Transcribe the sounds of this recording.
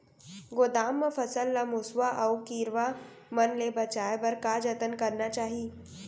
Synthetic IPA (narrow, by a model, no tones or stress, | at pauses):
ɡoːd̪aːmːəfɐsəlːamʊswaʔɐwkiːɾʋa | mɐnlebɐt͡ʃaːjbɐɾkaːd͡ʒɐt̪ənkɐɾnat͡ʃaːɦi